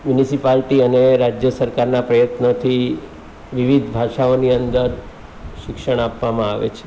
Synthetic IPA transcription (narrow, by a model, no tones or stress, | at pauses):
mjunisipalʈiəneɾad͡ʒjəsəɾkaɾnapɾəjət̪not̪ʰi | ʋiʋid̪ʱbʱaʃaoniənd̪əɾ | ʃɪkʃəɳ̃apʋamãaʋḛt͡ʃʰe̥